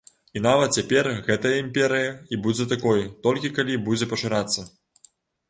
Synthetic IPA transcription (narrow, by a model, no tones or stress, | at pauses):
inavɐt̪̚t͡sʲapʲɛrɣɛt̪ɐjɐimpʲɛɾɨjɐibud͡zʲɛt̪akɔjt̪ɔlʲkʲikalʲibud͡zʲɛpɐʂaɾat̪sːɐ